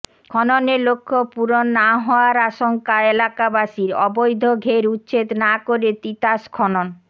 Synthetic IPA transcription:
kʰɔnoneɾlokʰːopuɾonːaɦɔaɾaʃoŋkaelakabaʃiɾɔbojd̪ʱoɡʱeɾutːɕet̪nakoɾet̪it̪aʃkʰɔnon

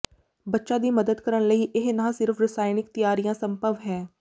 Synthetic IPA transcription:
bətːʃãːd̪iːməd̪əd̪kəɾəɳləiːʔɪɦnãːsɪɾfʰɾɪsaːɪnɪk̚t̪ɪjaːɾijãːsəmpəʋɦɛː

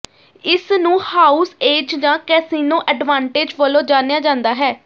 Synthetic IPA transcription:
ɪsnũːhaːuːseːd͡ʒd͡ʒãːkɛːsiːnoːʔɛɖʋãːɳʈeːd͡ʒʋəlõːd͡ʒaːnejaːd͡ʒãːnd̪aːɦɛː

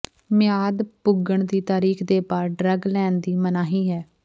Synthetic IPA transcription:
mɪjaːd̪pʊɡəɳd̪iːt̪aːɾiːkʰd̪eːpaːɖɾəɡlɛ̃ːnd̪iːmənaːɦiːɦɛː

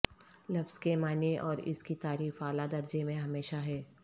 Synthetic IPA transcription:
lɐfz̥kemaːneʔɔːɾɪ̰skit̪aːɾiːfaːlad̪ɐɾd͡ʒemẽɦɐmeːʃaɦɛː

